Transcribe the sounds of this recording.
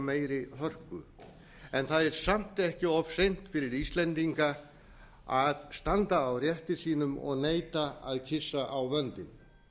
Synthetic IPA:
meːjɾɪhœr̥kʏ̰ | ɛnθaðɛɾ̥sam̥t̪ɛhcɪɔfsejn̥t̪fɪɾɪɾist̪lɛnt̪iŋka | aðst̪ant̪aːwrjɛht̪ɪsiːnʏmɔ̰ɣneːjt̪aaðcʰɪsːaʔawvœnt̪ɪn

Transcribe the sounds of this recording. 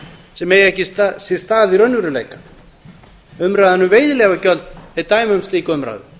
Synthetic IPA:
sɛmɛjɛhcɪssɛ̥st̪aːðiɾœnːvʏɾʏlḛːjkḁ | ʏmɾaːðanʏmveːjðɪlɛːɣacœlt̪ɛt̪aːjmʏʏmst̪liːkaʏmɾa̰ːðʏ̰

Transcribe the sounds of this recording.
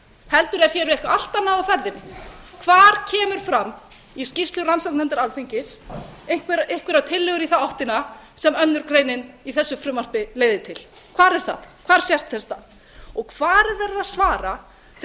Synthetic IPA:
hɛlt̪ʏɾɛɾ̥çɛːɾvehkaal̥t̪anːaðafɛɾðɪnːɪkʰvaːɾ̥cʰɛːmʏɾ̥fɾamː | iscɪst̪lʏransɔk̚nɛnt̪aɾalθiɲcɪseŋ̥kɪɾeŋ̥kvɪɾat̪ʰɪlːɛɣʏɾiθaɔwht̪ɪnasɛmœnːʏɾ̥kɾeːjnɪniθɛsːʏfɾʏmar̥pɪleːjðɪt̪ʰɪl̥ | kʰvaːɾɛɾ̥θa̰ðkʰv̥aːɾ̥sjɛst̪θɛst̪að | ɔɣkʰvaːɾðɛɾaðsvaːɾa | t̪ʰ

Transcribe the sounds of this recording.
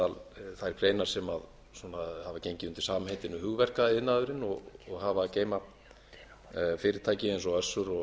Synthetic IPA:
alθajɾ̥kʰɾeːjnaɾ̥sɛmað | sɔːnahavacejɲcɪʏmt̪ɪ̥saːmhejt̪ɪnʏhʏɣvɛr̥kaɪðnaðʏɾɪnɔɣɣɦavaceːjma | fɪːɾɪɾt̪ʰaːjcɪejnsɔœsːʏɾɔ

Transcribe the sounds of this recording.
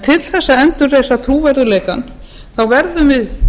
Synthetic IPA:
t̪ʰɪlθɛsːaɛnt̪ʏɾreːjsat̪ʰɾuːvɛɾðʏleːjkan | θawvɛɾðʏmvɪð

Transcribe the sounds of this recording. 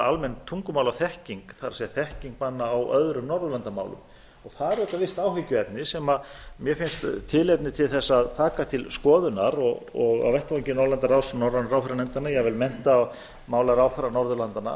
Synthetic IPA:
almɛnt̪ʰuŋkʏmawlawθɛhciŋkθaɾasiaθɛhciŋk̚panːaːwœðɾʏmnɔɾðʏlant̪ama̰ːwlʏ̰m | ɔɣθaðɾɛht̪avɪst̪awɦɪcːʏɛt̪nɪsɛmamjɛfɪnst̪t̪ʰːɪlɛt̪nɪt̪ʰɪlθɛsːaaðt̪ʰaːkat̪ʰɪlskɔːðʏna̰ɾɔɣɔɣa̰wvɛht̪vaɲcɪnɔɾlant̪aɾawsɛmnɔɾlanaɾawθɛɾanɛnt̪anajɛɣvɪlmɛn̥t̪a | maːwlaɾawθaɾanɔɾðʏlant̪ana̰

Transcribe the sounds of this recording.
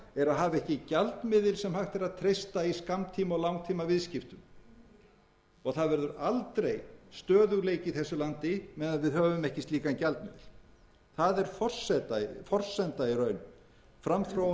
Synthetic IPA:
ɛɾaðɦaːvɪɛhcɪcalt̪mɪðɪlsɛmhaxt̪ɛɾaðt̪ʰɾejst̪aiskamt̪ʰiːmɔɣlawŋt̪ʰiːmavɪðscɪft̪ʏm | ɔɣθaðvɛɾðʏɾalt̪ɾejst̪œːðʏɣleːjcɪθɛsːʏlant̪ɪmɛðaðvɪðhœːvʏmɛhcɪst̪liːkaɛncalt̪mɪ̰ðɪl | θaðɛɾ̥fɔr̥sɛt̪afɔr̥sɛnt̪aiɾœːɥnʏm | fɾamθɾaw

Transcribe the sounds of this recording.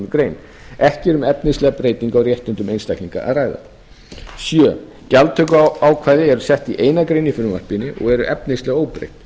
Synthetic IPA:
nʏkɾeːjn | ɛhcɪɛɾʏmɛpnɪslɛɣapɾejt̪iŋkawrjɛht̪ʏnt̪ʏmejnst̪ajkliŋka̰ʔa̰ðraːjða̰ | sjœː | calt̪ʰːœkʏawkʰvaːðɪɛɾʏsɛht̪iʔeːjnakɾejnifʏɾʏmva̰r̥pɪnɪʔɔ̰ɣɛɾʏʔɛpnɪslɛɣoːwpɾḛjht̪

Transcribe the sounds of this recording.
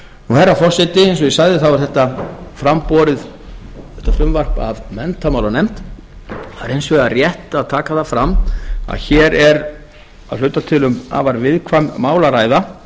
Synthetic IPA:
uhɛɾːafɔr̥sɪt̪ɪensɔjɛsajðɪθawvaɾ̥θɛht̪afɾampɔːɾɪð | θɛht̪afɾʏmvar̥pa̰vmɛnt̪amawlanejm̥t̪ | aɾejnsvɛarjɛht̪aːðt̪ʰaːkaθafɾamːa̰ðçɛːɾɛɾ | aðlʏɥt̪ːat̪ʰɪlʏma̰vaɾvɪðkʰvamːaːwlaɾaːjða

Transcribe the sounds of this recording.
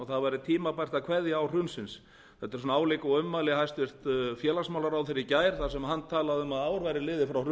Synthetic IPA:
ɔθaðvajɾɪt̪ʰiːmapajr̥t̪akʰvɛðjaawr̥ʏnsɪns | θɛt̪ːɪɾsɔnaːwlekɔʏmːaːlɪhajst̪vɪr̥t̪fjɛːlasmawlaɾawθɪɾɪcaːjɾ̥θasɛmɦanːt̪ʰaːlaðʏmaðaːwɾvajɾɪlɪːðɪfɾawr

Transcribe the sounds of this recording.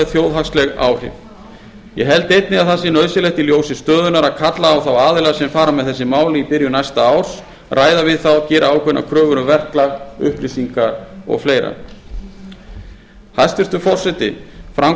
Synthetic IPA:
ɛðθjoːwðɦaxslɛɣa̰ːwhɪ̰v | jɛɦɛlt̪ejt̪̚nɪaðθasɪnœːɥsɪlɛht̪ɪljoːwsɪst̪œːðʏnaɾaðkʰat̪laːwθawaːðɪlɛasɛmfaːɾamɛðθɛsːɪmaːwlɪipɪɾjʏnajst̪aaːws | raːjðavɪðθawcɛːɾʔaawkʰvɛnʔa̰kʰɾœːvʏɾʏvɛr̥klaɣʏ̰hplisiŋkaɾɔ̰ɣfleːjɾa̰ | hast̪ɪst̪ʏfɔr̥sɛt̪ɪ̰fɾam

